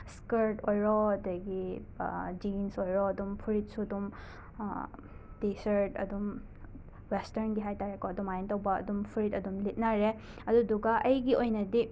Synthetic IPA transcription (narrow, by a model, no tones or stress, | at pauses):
skeɾtʰojɾɔɐdɐɡi | d͡ʒinsojɾɔːdumpʰuɾit̚sudum | tisɐɾtɐ̰dum | westɐɾnɡiɦajtaɾekɔɐdumajntɐwbɐɐ̰dumpʰuɾitɐdumlit̚naɾe | ɐduduɡaʔɐjɡiojnɐdi